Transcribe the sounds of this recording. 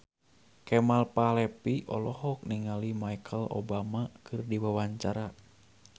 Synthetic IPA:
kɛmalpalɛpiʔɔ̰lɔhɔk̚niŋalimajkʰəlo̰bamakɨrdiwawaɲt͡ʃaɾa

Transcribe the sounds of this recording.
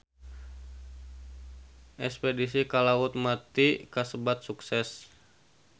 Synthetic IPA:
ʔɛspedisikalaʊt̪̚mat̪ikasəbat̪̚suksɛs

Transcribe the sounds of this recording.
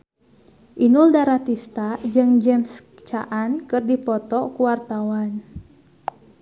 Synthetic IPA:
ʔinuldaɾat̪ist̪ad͡ʒɨŋd͡ʒɛms | t͡ʃaʔankɨrdipɔt̪ɔkuwart̪awan

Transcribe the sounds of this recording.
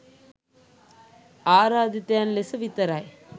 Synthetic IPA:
aːɾaːd̪it̪ːjaːnlɛsɐʋɪt̪ːɐɾaːj

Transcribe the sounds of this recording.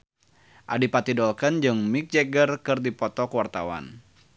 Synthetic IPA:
ʔadipat̪idɔlkənd͡ʒɨŋmik̚d͡ʒɛɡərkɨrdipɔt̪ɔkwart̪a̰wa̰n

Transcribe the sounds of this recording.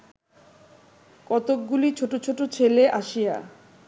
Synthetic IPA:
kɔt̪ok̚ɡulit͡ɕʰoʈot͡ɕʰoʈot͡ɕʰeleʔaʃija̰

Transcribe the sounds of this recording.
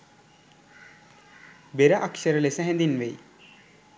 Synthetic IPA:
beɾəʔakʃəɾəlesəɦɛ̃nd̪inʋej

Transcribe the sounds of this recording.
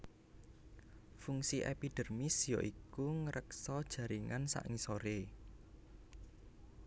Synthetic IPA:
fuŋsiʔɛpiɖ̥ə̤rmisjoʔikuŋəɾʔəksɔd̥ʒ̥ä̤ɾiŋansa̰ʔɪŋsoɾe

